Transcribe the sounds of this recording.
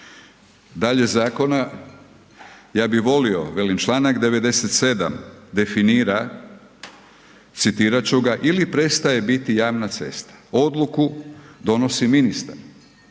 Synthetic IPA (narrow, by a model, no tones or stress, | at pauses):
d̪aʎe̞zaːko̞na | jaːbiʋo̞lio̞̰ʋe̞lint͡ʃlˠaːnakd̪e̞ʋe̞d̪e̞set̪se̞d̪a̰md̪e̞finiːɾa | t̪sit̪iːɾat͡ɕuɡaʔilipɾe̞st̪aje̞bit̪ijaːʋnat̪se̞̰st̪ḁo̞d̪lˠukud̪o̞no̞siminist̪a̰ɾ